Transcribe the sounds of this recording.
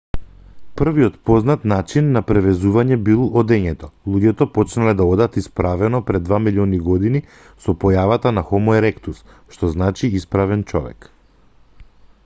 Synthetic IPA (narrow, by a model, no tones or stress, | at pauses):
pr̩viɔt̪pɔznat̪nat͡ʃinːapɾɛvɛzuvaɲɛbilˠɔd̪ɛɲɛt̪ɔlˠuɟɛt̪ɔpɔt͡ʃnalɛd̪aɔd̪at̪ispɾavɛnɔpɾɛd̪d̪vamiliɔniɡɔd̪ini | sɔpɔjavat̪anaxɔmɔɛɾɛkt̪us | ʃt̪ɔznat͡ʃiispɾavɛnt͡ʃɔ̰vɛ̰k